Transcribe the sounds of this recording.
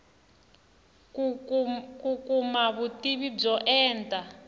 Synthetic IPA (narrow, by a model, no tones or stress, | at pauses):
kukumaβutiβib͡ʐɔʔɛːntʼa